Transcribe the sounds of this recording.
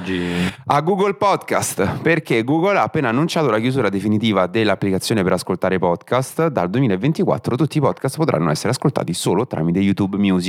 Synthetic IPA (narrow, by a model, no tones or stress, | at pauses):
d͡ʒiaɡːuɡolpɔd̪ka̰st̪perkeɡuːɡolaːpːeːnaːnːunt͡ʃaːt̪olakjuzuːɾad̪efinit̪iːvad̪elːapːlikat̪sːjoːnepeɾaskolt̪aːɾepɔd̪kast̪d̪ald̪wemiːlaevːent̪ikwa̰t̪ːɾot̪ut̪ːipɔd̪kast̪pot̪ɾʔa̰nːoɛsːeɾeaskolt̪a̰ːt̪isoːlot̪ɾa̰mit̪ejut̪ubmjuːzi